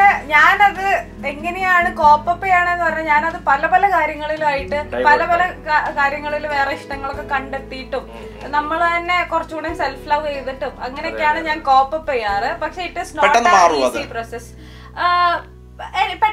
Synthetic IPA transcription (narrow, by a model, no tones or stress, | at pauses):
eɲaːnɐðɨ | e̞ŋːɐne̞jaːɳɨko̞ːpːɐpːejaːɳɨenːɨpɐrɐɲːuɲaːnɐðɨpɐlɐpɐlɐkaːɾjɐŋːɐɭilmaːjiʈːɨpɐlɐpɐlɐkaːɾjɐŋːɐɭiluʋe̞ːreiʂʈɐŋːɐɭo̞kːe̞kɐɳɖet̪ːijʈːum | nɐmːɐɭt̪ɐnːe̞kurɐt͡ɕːuːɳɐnselflɐʋt͡ɕejt̪ːiʈːumɐŋːɐneokːejaːɳɨɲaːnko̞ːpːɐpːejaːrɨpɐkʂe̞iʈːisnoːʈːenːaːɐsiproːses | epɐ